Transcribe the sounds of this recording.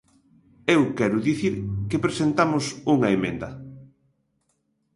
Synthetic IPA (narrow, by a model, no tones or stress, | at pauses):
ewkɛɾʊðiθiɾkepɾesent̪amʊsuŋɐemḛ̃nd̪ɐ